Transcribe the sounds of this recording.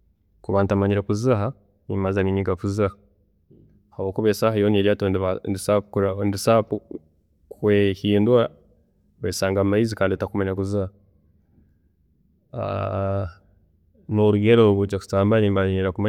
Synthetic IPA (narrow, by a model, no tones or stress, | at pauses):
kuβantamaɲiɾakuziɦa | nimazamiɲiɡakuziha | haβoːkuβesahajoneɾjatonβandisakundisap | kwehiːnduwa | βesaːŋɡamaizikaːnditakumaɲɾakuziha | a̰ | noɾuɡeɾouɡut͡ʃaku̥saːmbaniːmbaɲiɾakuma